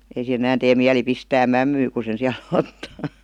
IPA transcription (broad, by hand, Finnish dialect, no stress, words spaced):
ei sih̆en ĕnæn teː miæli pistæː mæmːyː ku sen̞ siæl otːɑː